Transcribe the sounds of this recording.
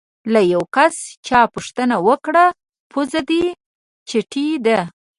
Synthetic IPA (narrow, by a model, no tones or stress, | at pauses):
lajawkast͡ʃɑpuʂt̪ənawəkɽa | pʰuzad̪i | t͡ʃeʈʰid̪a